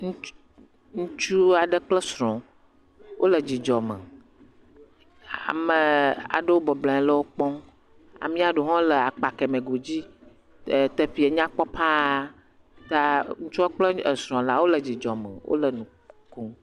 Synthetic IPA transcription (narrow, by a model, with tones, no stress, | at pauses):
ŋ˦ | ŋũ˦t͡ʃu˦a˨ɖə˦k͡plə˦sɾɔ̃˨ | wʔo˦lə˨d͡ʑi˨d͡ʒɔ˨mə̰˨ | a̰˨mə˨a̰˨ɖə˦wo˦bɔ˨blã˨˦lə˦wo˦k͡pɔ̃˦ | a̰˨mĩ˦a˨ɖo˨ɦɔ̃˦lə˨a˨k͡pa˨kɛ˨mẽ˨ɡo˨d͡ʑi˦˨ | t̪ə˨ɸi˨˦e˨ɲã˦k͡pɔ˦pʰa˦˨ | t̪a˦ŋũ˦t͡ʃu˦a˦k͡plə˦ə˨sɾɔ̃˨la˦wo˦lə˨d͡ʑi˨d͡ʒɔ˨mə̰˨wʔo̰˦lə˨nũ˨ | ku˦